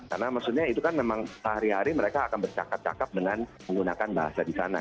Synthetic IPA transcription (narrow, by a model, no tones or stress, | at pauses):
ka̰rnamaksut̪̚ɲait̪ukanmemaŋsaaɾiɦaɾiməɾekaːkanbərt͡ʃa̰kat̪̚t͡ʃa̰kap̪̚dəŋanməŋɡunakanbaɦa̰sadisa̰na̰